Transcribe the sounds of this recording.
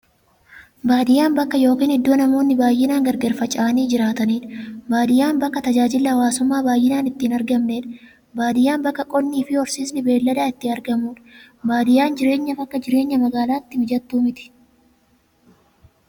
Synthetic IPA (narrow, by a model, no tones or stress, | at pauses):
baːd̪ɪjaːnbɐkːɐjo̞ːkiːnhɪd̪ːuːnɐmo̞ːnːɪbaːjːɪnaːŋɡɐɾɡɛːɾfɐt͡ʃʼaːniːd͡ʒɪɾaːt̪ɐniːᶑɐbaːd̪ɪjaːnbɐkːɐt̪ɐd͡ʒaːd͡ʒɪlːɐɐwaːsʊmːaːbaːjːɪnaːnɪt̪ːiːnɐɾɡɐmneːᶑɐ̥ | baːd̪ɪjaːnbɐkːɐkʼɔnːiːfɪɔɾsiːsnɪbe̞ːlːɐd̪aːɪt̪ːɪɐɾɡɐmuːᶑ | baːd̪ɪjaːnd͡ʒɪɾe̞ːɲːɐfɐkːɐd͡ʒɪɾe̞ːɲːɐmɐɡaːlaːɪt̪ːɪmɪd͡ʒɐt̪ːuːmɪt̪ɪ̥